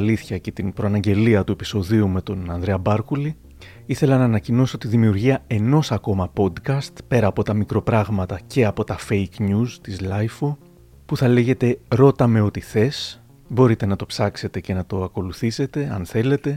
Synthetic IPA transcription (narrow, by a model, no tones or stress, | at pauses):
liθçɐce̞t̪inpɾoɐnɐɲɟe̞liɐt̪ue̞pi̥so̞ðiume̞t̪o̞nɐnd̪ɾe̞ɐbɐɾkuli | iθe̞lɐnɐːnɐcino̞sot̪iðimiuɾʝiɐe̞no̞sɐko̞mɐpo̞d̪kɐst̪pe̞ɾɐːpo̞t̪ɐmikɾo̞pɾɐɣmɐt̪ɐce̞ɐpo̞t̪ɐfejknust̪izlɐjfo | puθɐle̞ʝe̞t̪e̞ɾo̞t̪ɐme̞o̞t̪iθe̞s | bo̞ɾit̪e̞nɐt̪o̞psɐkse̞t̪e̞ce̞nɐt̪o̞ɐko̞luθise̞t̪e̞ɐ̰nθe̞le̞t̪e̞